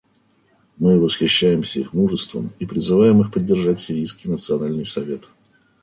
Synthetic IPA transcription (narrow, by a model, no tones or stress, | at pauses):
mɨvəsxʲɪɕːæjɪmsʲəḭxmuʐəst̪və̰mipɾʲɪzɨvajɪmɨxpədʲːɪrʐatʲsʲɪɾʲijskʲɪjnət̪sɨɐnalʲnɨjsɐvʲe̞t̪